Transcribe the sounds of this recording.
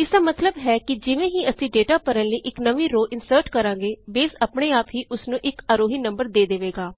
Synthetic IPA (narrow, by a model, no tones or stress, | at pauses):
ɪsd̪aːmət̪ləbɦɛːkɪd͡ʒɪʋẽːɦiːəsĩːɖeːʈaːpəɾənləiːʔɪknəʋĩːɾoːʔɪnsəɾʈkəɾãːŋɡeːbeːsəpɳeːaːpɦiːʔʊsnũːʔɪkaːɾoːɦiːnə̃mbəɾd̪eːd̪eʋeːɡaː